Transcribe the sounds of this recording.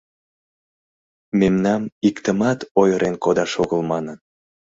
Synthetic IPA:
memnɑmikt̪əmɑt̪ojəɾʔenkod̪ɑʃoɣəlmɑnən

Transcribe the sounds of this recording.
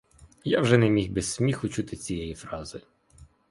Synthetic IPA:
jawʒɛnɛmʲixbɛsʲsʲmʲixʊt͡ʃut̪ɪt͡sʲijɛjifɾɑzɪ

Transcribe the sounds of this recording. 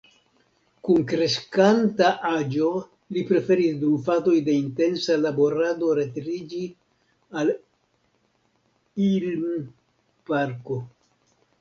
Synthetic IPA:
kunkɾe̞ʃkantaʔad͡ʒo̞ | lipɾe̞fe̞ɾisdufato̞jde̞inte̞nsalabo̞ɾado̞ɾe̞tɾid͡ʒi | al | ilm | paɾko̞

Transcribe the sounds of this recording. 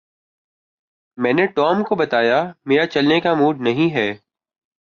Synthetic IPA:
mɛ̃ːneʈɔːmkobɐt̪aːjameːɾat͡ʃɐlnekamuːɖnɐɦĩɦɛː

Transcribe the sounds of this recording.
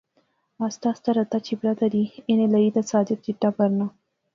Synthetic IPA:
mɑst̪ɑst̪aɾat̪at͡ʃibɾat̪ad̪ienelaid̪asɑd̪ɪt̪̚d͡ʒiʈabaɾna

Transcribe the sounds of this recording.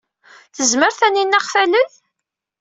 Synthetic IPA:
θəzməɾθæninːæχfæləθ

